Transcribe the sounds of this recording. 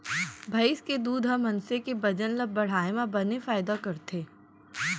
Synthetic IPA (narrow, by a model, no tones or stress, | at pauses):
bʱɐɪsked̪uːd̪ʱɦɐmɐ̃nsekebɐd͡ʒənlɐbɐɽ̤aːemãbɐnefaːɪd̪akɐɾt̪ʰeː